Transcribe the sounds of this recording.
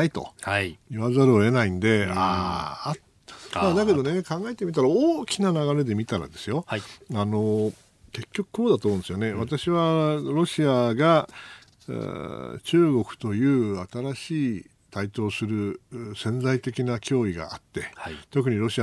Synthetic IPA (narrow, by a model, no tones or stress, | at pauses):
ait̪o̞̰iβazaɾɯoe̞naĩnd̪e̞ | a | mad̪ake̞d̪o̞ne̞kãŋɡaet̪e̞mʲit̪aɾaoːkʲinanaɡaɾe̞d̪e̞mʲit̪aɾa̰d̪e̞sɨjo̞ano̞ | ke̞kʲːo̞kɯ̟̥kʰo̞ːd̪at̪omõnesɨjo̞ne̞βat̪aɕiβaɾo̞ɕiaɡa̰ | t͡ɕɨːɡo̞kɯ̟̥t̪o̞jɯ̟ːat̪aɾaɕiː | t̪ait̪o̞ːsɨɾɯ̟sẽ̞nd͡zait̪e̞kʲinakʲo̞ːiɡa̰at̪ːe̞t̪o̞k̬ɯ̟ɲ̟iɾo̞ɕia